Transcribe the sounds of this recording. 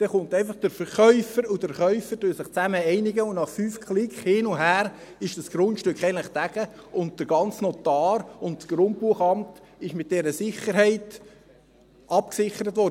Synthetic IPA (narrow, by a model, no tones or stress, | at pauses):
d̥ɛχʊntɛɪnfɑχd̥əɾfəɾχœʏfəɾʊdəɾχœʏfəɾdøːsɪχt͡sæməɛɪnɪɡəʊnɑχfyːfkʰlɪkχhɪnʊɦæːɾ | ɪʃd̥ɑsɡ̥ɾʊntʃtøkχɛənləχd̥æɡ̥əʊnt̚d̥əɾɡ̥ɑnt͡snɔt̪ɑːɾʊntsɡ̥ɾʊnt̚buəχɑmt | ɪʃmɪt̚d̥ɛɾəsɪχəɾɦɛɪt | ʔɑpksɪχəɾətvɔɾə